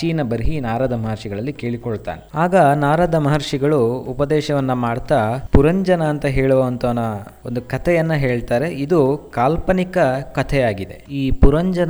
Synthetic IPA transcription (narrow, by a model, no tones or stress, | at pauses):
t͡ʃiːnɐbɐɾiɦinaːɾaːd̪ɐmɐɦɐɾʂiɡɐɭɐlːike̞ːɭikoɭt̪a̰ːneaːɡɐnaːɾaːd̪ɐmɐɦɐɾʂiɡɐɭuːpɐd̪ɛːʃɐʋɐnːɐmaːɽt̪aːpuɾɐɲd͡ʒɐnɐːnt̪ɐɦeːɭuʋɐɐnt̪ɐːnɐ | ond̪ukɐt̪ʰɛjɐnːɐɦe̞ːɭt̪aːɾe̞ʔid̪ukaːlpɐnikɐkɐt̪ʰɛjaːɡid̪e̞̰iːpuɾɐɲd͡ʒɐn